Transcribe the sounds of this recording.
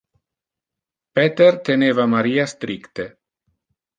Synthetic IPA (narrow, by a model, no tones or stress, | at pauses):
pet̪ert̪eneːvamaɾiːast̪ɾikt̪e